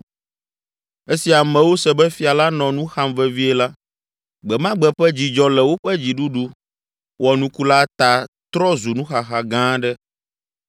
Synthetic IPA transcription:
e˦si˨a˨mɛ̃˨wo˦sɛ˨bɛ˦fi˨a˨la˦nɔ̃˨nũ˦xa˦mvɛ˦vi˦ɛ˨la˦ | ɡ͡bɛ˨mã˦ɡ͡bɛ˨ɸɛ˦d͡ʑi˨d͡ʒɔ˦lɛ˨wo˦ɸɛ˦d͡ʑi˨ɖu˦ɖu˦ | wɔ˨nũ˦ku˦la˦t̪a˨t̪ɾɔ˦zu˨nũ˦xa˨xa˨ɡã˦ɖɛ˦

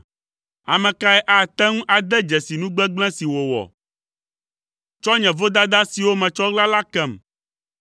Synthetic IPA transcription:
a̰˨mɛ̃˨ka˦ɛ˦ʔa˦˨t̪ɛ˦ŋũ˦ʔa˨d̪ɛ˦d͡ʒɛ˨si˨nũ˦ɡ͡bɛ˦ɡ͡blɛ̃˦si˨wo˨wɔ̰˨ | t͡ʃɔ˦ɲɛ̃˨vo˦d̪a˦d̪a˦si˨wo˦mɛ̃˨t͡ʃɔ˦ɣla˦la˦kɛ˦˨m

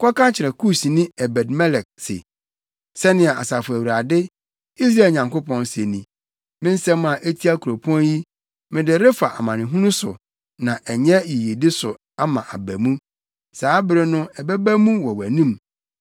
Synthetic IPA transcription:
kʰɔ˦kã˦t͡ɕʰɪ˨ɾɛ˨kʰu˦si˨nɪ̃˦ɛ˨bɛ˨dmɛ˦lɛ˨k̚sɪ̰˨ | sɛ˦nɪ̃˨a˨a̰˨sa˨fʊ˨æ˨wu˨ɾa˨dɪ˦ | i˦s̬ɾa˦˨lɲã˨ŋko˦pʰɔ̃˦nse˨nĩ˨ | mɪ̃˦n̩˦sɛ̃˦ma˨ʔe˦tʰi˦a˦kʰu˨ɾo˨pʰɔ̃˦nji˦ | mɪ̃˦dɪ˨ɾɪ˦fa˨ʔa̰˨mã˨nɪ̃˨ɦũ˦nũ˦sʊ̰˨ | nã˨ʔɛ˨ɲɛ˦ji˨je˨dɪ˦sʊ̰˨ | a˦mã˨ʔa˨bæ˨mũ˦ | saː˨˦bɪ˦ɾɪ˦nʊ̃˦ɛ˨bæ˦bæ˦mũ˦wɔ˨wæ˨nĩ˦m

